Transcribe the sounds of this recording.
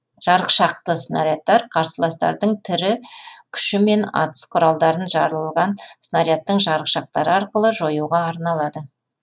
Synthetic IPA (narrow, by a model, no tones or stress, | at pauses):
ʒ̥ɑɾəqʃɑq̚t̪əsnaɾijat̪ːɑɾqʰɑɾsəlˠɑst̪ɑ̰ɾd̪əɴt̪ʰɪɾɪkʲʰʏ̥ʃɪme̞nɑ̰t̪ə̥sqʰʊɾɑlˠd̪ɑɾənʒɑɾəlˠəlˠʁɑnsnaɾijat̪ːəɴʒɑɾəqʃɑq̚t̪ɑɾəɑɾqəlˠəʒo̞juʁɑːɾnɑlˠɑd̪ə